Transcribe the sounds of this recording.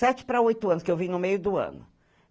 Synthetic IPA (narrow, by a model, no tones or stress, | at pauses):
ɛt͡ʃɪ̥pɾɐojt̪ʊɐ̃nʊskɪewvĩnʊmejʊd̪ʊɐ̰̃nʊ